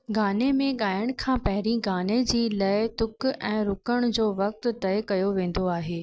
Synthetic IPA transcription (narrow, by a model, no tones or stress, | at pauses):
ɡaːnemẽɠaːjəɽ̃kʰãːpɐɦɪɾiɡaːned͡ʑiːlaːɪt̪ʊkɛ̃ːɾʊkəɽ̃d͡ʑoːʋɐk̚t̪t̪ɐɪkɐjoʋẽːn̆d̪oaːɦeː